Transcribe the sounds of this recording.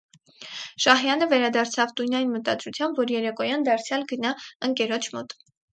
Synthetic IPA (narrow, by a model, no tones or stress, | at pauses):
ʃɑɦjɑnəvɛɾɑd̪ɑɾt͡sʰɑvt̪ujnɑjinmət̪ɑd̪ɾut͡sʰjɑmbvɔɾjɛɾɛkɔjɑnd̪ɑɾt͡sʰjɑlɡənɑəŋkɛɾɔt͡ʃʰmɔ̰t̪